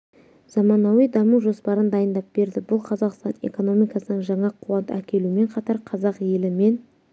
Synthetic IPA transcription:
z̥ɑmɑnɑwijd̪ɑmuʒo̞spɑɾənd̪ɑjənd̪ɑp̚b̥e̞ɾd̪ɪbʊlˠqʰɑzɑqst̪ɑne̞̰ko̞no̞mijkɑsənəɴʒɑɴɑqʰuwɑnt̪əækʲe̞lume̞ɴqʰɑt̪ɑɾqʰɑzɑqje̞lɪme̞n

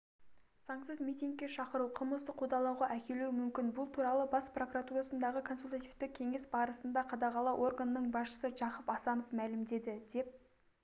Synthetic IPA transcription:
z̥ɑɴsəzmijt̪ʲiŋɡ̚kʲːe̞ʃɑqəɾuwqʰəməlˠsəqʰod̪ɑlˠɑwʁɑʔækʲe̞lumʏmkʲɪnbʊlˠt̪ʰuɾɑlˠəbɑspro̞kuɾat̪uɾɑsənd̪ɑʁəkʰo̞nsult̪at̪ivt̪ɪk̚kʲʰe̞ŋe̞sbɑɾəsənd̪ɑqʰɑd̪ɑʁɑlˠɑʔo̞rɡanəːəɴbɑsʃə̥səʒɑqəpɑsɑnofmælɪmd̪e̞d̪ɪd̪e̞p̚

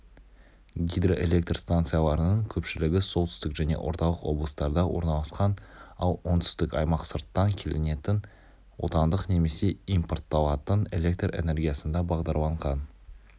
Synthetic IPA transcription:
ɡʲijd̪roʔe̞lʲe̞k̚t̪rst̪ant̪sɨjɑlˠɑɾənəɴkʲʰɵpʃɪlɪɡʲɪso̞lˠt̪ʰʏ̥st̪ɪkʒæne̞̰wʔo̞̰ɾt̪ɑlˠəqwo̞̰blˠəst̪ɑɾd̪ɑwo̞ɾnɑlˠɑsqɑnɑlˠwo̞nt̪ʰʏ̥st̪ɪkɑ̰jmɑqsəɾt̪ːɑŋkʲʰe̞lɪne̞t̪ɪn | wo̞̰t̪ɑnd̪əqne̞me̞se̞import̪ʰːɑlˠɑt̪əne̞lʲe̞k̚t̪re̞̰ne̞rɡʲijasənd̪ɑbɑʁd̪ɑɾlˠɑɴʁɑn

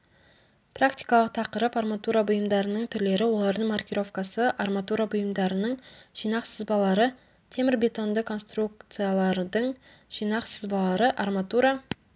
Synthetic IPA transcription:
prakt̪i̥jkɑlˠəq̚t̪ʰɑqəɾəparmat̪uɾabʊjəmd̪ɑɾənəɴt̪ʰʏɾle̞ɾɪwo̞lˠɑɾd̪əɴmarkʲiɾo̞vkasəʔarmat̪uɾabʊjəmd̪ɑɾənəɴʒ̥ijnɑqsəzbɑlˠɑɾə | t̪ʰe̞mɪɾbʲe̞t̪o̞nd̪əkʰːo̞nst̪ɾuk̚t̪sɨjalˠɑɾd̪əɴ | ʒ̥ijnɑqsəzbɑlˠɑɾəʔarmat̪uɾa

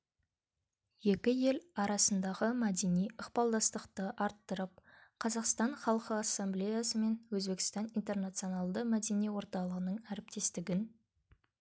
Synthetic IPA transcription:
je̞kʲɪje̞lɑɾɑsənd̪ɑʁəmæd̪e̞nijəqpɑlˠd̪ɑst̪əqt̪əʔɑɾt̪ːəɾəp̚qʰɑzɑqst̪ɑɴχɑlˠqəɑsːemblejasəme̞nwɵzbe̞kʲɪ̥st̪ɑnijnt̪e̞rnɑt̪sionɑlˠd̪əmæd̪e̞nijwo̞ɾt̪ɑlˠəʁənəɴæɾɪp̚t̪e̞st̪ɪɡʲɪn

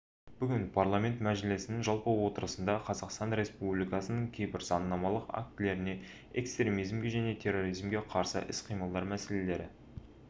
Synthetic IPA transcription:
b̥ʏɡʲɪnpʰarlˠamʲe̞nt̪mæʒɪlɪsɪnɪŋʒɑlˠpəwo̞t̪əɾəsənd̪ɑqʰɑzɑqst̪ɑnɾʲe̞spublijkɑsənəɴkʲʰe̞jbɪɾzɑnːɑmɑlˠəqa̰k̚t̪ɪle̞ɾɪne̞ | ekst̪ɾʲe̞mijzmɡʲe̞ʒæne̞t̪ʲʰe̞rːo̞ɾijzmɡʲeqʰɑɾsə̰ʔɪ̰sqʰijməlˠd̪ɑɾmæse̞le̞le̞ɾɪ̰

